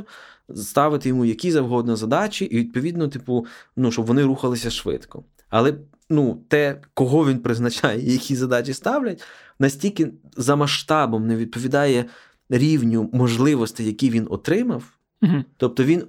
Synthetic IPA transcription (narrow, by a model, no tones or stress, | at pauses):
st̪ɑʋɪt̪ɪjɔmujɐkʲizɐwɦɔd̪nɐzɐd̪ɑt͡ʃiʔiʋʲid̪̚pɔʋʲid̪nɔt̪ɪpunuʃt͡ʃɔbʋɔnɪɾuxɐlˠɪsʲɐʃʋɪ̰t̪kɔ | ɐlˠɛ | nut̪ɛkɔɦɔʋʲinpɾɪznɐt͡ʃɑjɛijɐkʲizɐd̪ɑt͡ʃʲist̪ɑwlʲɐt̚ʲ | nɐsʲtʲilʲkɪ | zɐmɐʃt̪ɑbɔmneʋʲid̪̚pɔʋʲid̪ɑjɛ | ɾʲiwnʲʊmɔʒlˠɪʋɔst̪ɪjɐkʲiʋʲinɔ̰t̪ɾɪmɐw | t̪ɔp̚t̪ɔʋʲin